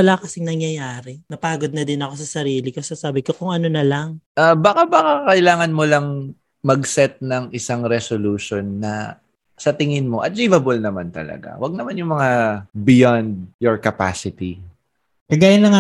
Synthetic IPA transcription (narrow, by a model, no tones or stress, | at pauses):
wɐlaːkɐsɪŋnɐŋjɐjaːɾɛnɐpaːɡod̪nɐd̪ɪnɐko̞sɐsɐɾiːlɪkosɐsaːbɪkokoŋʔɐnonɐlɐŋʔabakabɐkakɐʔɪlaːŋɐnmolɐŋ | mɐɡsɛt̪̚nɐŋʔɪsaŋɾɛsoluːʃonːɐ | sɐt̪ɪŋɪnmo̞ʔɐt̪̚liːvɐbolnɐmant̪ɐ̰lɐ̰ɡa̰wɐɡ̚nɐmanjʊŋmɐŋabɪjand̪̚jɔɹkɐpa̰sɪt̪i | kɐɡaːjɐnlɐŋa